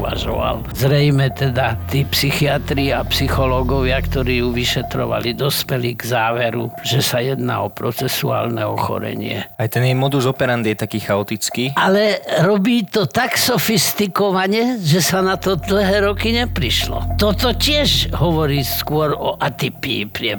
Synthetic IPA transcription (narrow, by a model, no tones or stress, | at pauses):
ʋa̰ʒɔ̰ʋa̰l | zɾɛjmɛt̪ɛd̪at̪iːpsixiat̪ɾiapsixɔlɔɡɔʋɪakt̪ɔɾiːjuʋiʃɛt̪ɾɔ̰ʋa̰lid̪ɔspɛliɡzaːʋɛɾṵʒɛsajɛd̪na̰ɔpɾɔt͡sɛsua̰ːlnɛɔxɔ̰ɾɛ̰ɲɪ̰ɛ̰ajt̪ɛnjɛmɔd̪uzɔpɛɾand̪jɛt̪akiːxaɔt̪it͡skiːʔalɛɾɔbiːt̪ɔt̪aksɔfist̪ikɔʋaɲɛʒɛsanat̪ɔd̪l̩ɦɛːɾɔkiɲɛpɾiʃlɔ̰t̪ɔt̪ɔcɪɛʒɦɔʋɔɾiːskʊɔɾɔʔat̪ipiːpɾɪɛ